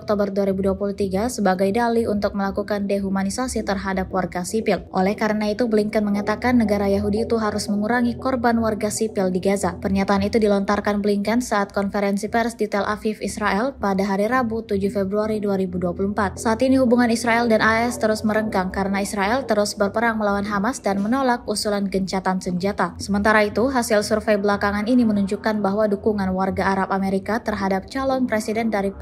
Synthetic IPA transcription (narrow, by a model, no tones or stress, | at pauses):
ɔk̚t̪obərduaɾibuduapuluht̪iɡasəbaɡajdaliunt̪ʊk̚məlakukandeɦumanisasit̪ərɦadap̚warɡasipɪlʔolɛhkaɾənait̪ubliŋkənməŋat̪akanːəɡaɾajaɦudiːt̪uɦaɾʊsməŋuɾaŋikɔrbanwarɡasipɪldiɡazapərɲat̪aːnit̪udilɔnt̪arkanbliŋkənsaat̪̚kɔnfeɾɛnsipɛrsdit̪ɛlʔa̰fifisɾaʔɛlpadaɦaɾiɾabut̪ud͡ʒufebɾuaɾiduaɾibuduapuluəmpat̪̚saːt̪iniɦubuŋanisɾaʔɛldanaɛst̪əɾʊsməɾəŋkaŋkaɾənaisɾaʔɛlt̪əɾʊsbərpəɾaŋməlawanɦamasdanmənolak̚usulanɡəɲt͡ʃat̪ansəɲd͡ʒat̪asəmənt̪aɾait̪uɦasɪlsurfɛjbəlakaŋaninimənuɲd͡ʒukanbaɦwadukuŋanwarɡaaɾapameɾikat̪ərɦadap̚t͡ʃalɔnpɾesidɛndaɾi